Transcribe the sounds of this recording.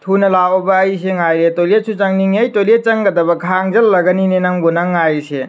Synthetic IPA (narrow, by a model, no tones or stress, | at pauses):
tʰunɐlawɔbɐːjseŋajɾetoliet̚sʰut͡ʃɐŋniŋɐjtoliet̚t͡ʃɐŋɡɐdɐbɐkʰaŋzɐlːɐɡɐninenɐŋbunɐŋːajse